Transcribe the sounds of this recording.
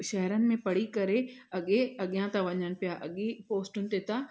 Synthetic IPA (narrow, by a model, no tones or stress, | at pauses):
ʃɐɦɾənɪ̆mẽpɐɽikɐɾeɐɠeɐɠijãt̪ãʋɐɲəñɪ̆pijaʔɐɠipoːsʈʊnɪ̆t̪et̪ã